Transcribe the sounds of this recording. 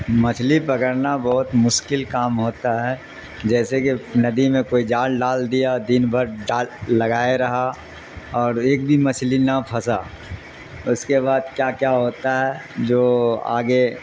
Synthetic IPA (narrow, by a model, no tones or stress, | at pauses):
mɐt͡ʃʰlipɐkəɾnabɔɦʊt̪mʊʃkɪlkaːmɦoːt̪aɦɛ | d͡ʒɛːsekinɐd̪imẽkoːid͡ʒaːlɖaːld̪ijad̪iːnbʱəɾɖaːlːɐɡaːeɾɐɦa | ɔːɾeːk̚bʱimɐt͡ʃʰlinapʰɐsa | ʊskeβaːd̪̚kjaːkjaɦoːt̪aɦɛd͡ʒoːa̰ːɡe